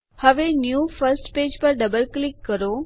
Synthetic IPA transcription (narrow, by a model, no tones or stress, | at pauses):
həʋenjufʰəɾsʈped͡ʒpəɾɖəbəlklɪkːəɾo